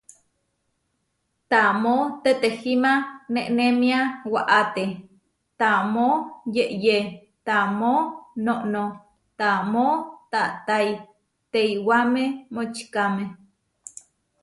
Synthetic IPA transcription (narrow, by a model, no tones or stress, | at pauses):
t̪amot̪et̪ehimaneʔnemiawaʔat̪e | t̪amojeʔje | t̪amonoʔno | t̪amot̪aʔt̪ai | t̪eiwamemot͡ʃkame